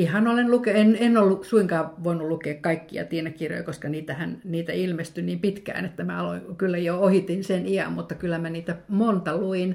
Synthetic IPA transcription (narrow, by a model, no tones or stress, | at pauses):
ihɑnolenlukeenenolːusuiŋkɑːʋoinulukeːkkɑikːiɑ̰t̪ienækkirjo̰jkoskɑniːt̪æhænniːt̪æilmest̪yniːmpit̪kæ̰ːnet̪ːæmæɑlo̰ikylːæjoohit̪inseniɑ̰mmut̪ːɑkylːˑæmæniːt̪æmont̪ɑluin